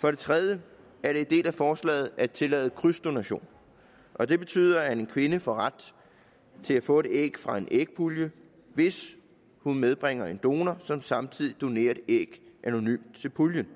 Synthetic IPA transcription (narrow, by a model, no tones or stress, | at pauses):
fɒ̽ɾ̥e̝t͡sʰʁɛðˠjə | æɐɾ̥e̝end̥e̝̰ːlæfɒːslɛ̰ːð̞̩ˠʔæt͡sʰe̝lɛ̰ːð̞̩ˠkʰʁysd̥o̝næɕo̝̰ːn | ʔɒ̽d̥e̝b̥e̝t͡sʰy̰ːðˠɐhæne̝nkʰʋe̝nəfɒ̽ʁad̥ | t͡sʰe̝læfɔ̰̽ːe̥ḛɡ̥fʁɑ̈e̝nʔeɡ̥̚pʰuljə | ʋe̝s | hunmeðˠb̥ʁeŋ̰ɐe̝nd̥o̝ːnɐsɒ̽msɑ̈mt͡sʰið̞̰ˠid̥o̝ne̝̰ːɐ̥eɡ̥ʔæno̝nymd̥t͡sʰe̝lpʰuljən